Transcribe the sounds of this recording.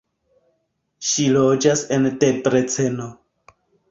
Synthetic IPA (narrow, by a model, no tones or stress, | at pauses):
ʃilod͡ʒasendepɾet͡se̞no